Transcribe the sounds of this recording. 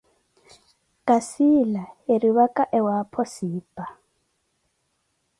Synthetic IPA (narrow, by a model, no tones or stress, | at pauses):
kʼasilaeriβakʼaʔɛwapʰɔsiːpʼa